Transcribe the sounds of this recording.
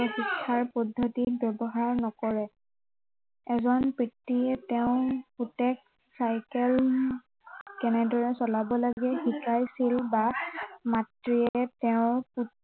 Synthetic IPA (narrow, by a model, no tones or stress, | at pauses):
ɔxikʰːaɹpɔdʱːotit̚bɛbɔɦaɹnɔkɔɹɛ | ɛzɔnpɹitːiɛtɛʊ̃putɛk̚ | sajkɛl | kɛnɛdɔɹɛsɔlabɔlaɡɛxikajsilbamatɹiɛtɛʊ̃ɹpu